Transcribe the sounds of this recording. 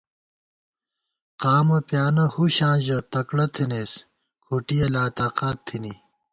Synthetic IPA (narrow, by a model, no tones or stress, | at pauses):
qaːmɐpjaːnɐhuɕãːʑɐt̪ɐkɽɐt̪ʰineːs | kʰuʈijɐlaːt̪aːqaːt̪ʰːini